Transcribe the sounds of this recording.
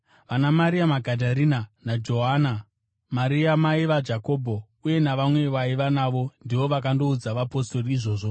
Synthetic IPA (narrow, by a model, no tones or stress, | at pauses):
ʋanamaɾiamaɡʱadʱaɾinanad͡ʒo̞ɦana | maɾiamaiʋad͡ʒako̞bʱo̞ | uje̞naʋamwe̞ʋaiʋanaʋo̞ndiʋo̞ʋakando̞ud͡zaʋapo̞sto̞riiʐo̞ːʐo